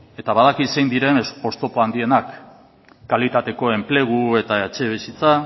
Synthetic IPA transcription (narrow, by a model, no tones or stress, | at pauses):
e̞t̪aβaðakise̞jnd̪iɾe̞no̞st̪o̞poand̪ie̞nakː | alit̪at̪e̞ko̞e̞mple̞ɣ̞ue̞t̪aet͡ʃe̞β̞isit͡sa